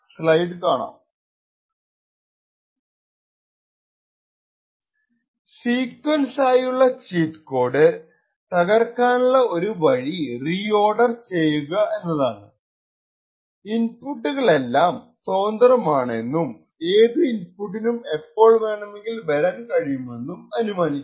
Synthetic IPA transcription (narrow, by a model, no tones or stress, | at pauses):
sɭɐjɖɨkaːɳa̰ːm | siːkwɐlsaːjuɭːɐt͡ɕiːt̪ko̞ːrɖɨ | t̪ɐɣɐrkaːnuɭːɐo̞ɾuʋɐɻiriːo̞ːɖɐrt͡ɕe̞jːuɣɐe̞nːɐðaːɳɨ | inpuʈːuɣɐɭe̞lːaːmsoːnd̪ɐrɐmaːɳe̞nːum | e̞ːðɨinpuʈ̬ːinume̞pːo̞ːɭmeːɳɐmeŋɡilʋɐɾɐnkɐɻijume̞nːumɐnumaːnikː